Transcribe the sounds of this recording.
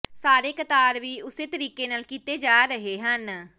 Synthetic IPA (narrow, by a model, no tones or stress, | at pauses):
saːɾeːkət̪aːɾʋiːʊseːt̪əɾiːkeːnaːlkiːt̪eːd͡ʒaːɾəɦeːɦən